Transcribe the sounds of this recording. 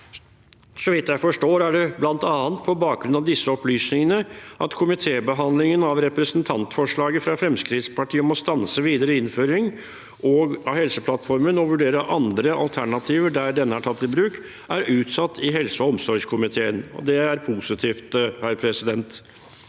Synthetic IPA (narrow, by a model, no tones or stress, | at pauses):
sɔʋɪt̪ːjæɪfɔʂʈoːɾæɖɛblɑnt̪ɑːənt̪̚pʰɔbɑːk̚ɡɾʉnɑʋd̪ɪsːəɔplyːsnɪŋənəʔɑt̪kʰʊmɪt̪ʰeːbəɦɑnd̪lɪŋənɑʋɾɛpɾəsənt̪ʰɑnt̪fɔʂɭɑːɡəfɾɑfɾɛmskɾɪt̪spʰɑʈiːɔmɔst̪ɑnsəʋiːd̪əɾəɪnføːɾɪŋ | ʔɔɡɑhɛlsəpʰlɑt̪fɔɾmənɔʋʉɖeːɾəʔɑnd̪ɾəʔɑ̰lt̪ʰæɳɑt̪ʰiːʋəɖæɾɖɛnːəæʈʰɑt̪ːɪlbɾʉːk | ʔæɾʉːt̪sɑt̪ːɪɦɛlsəɔɔmsɔɾɡʂkʰʊmɪt̪ʰeːənɔ̰d̪ɛæɾpʰusɪt̪ʰiːft̪hæːɾpʰɾɛsɪd̪ɛnt̪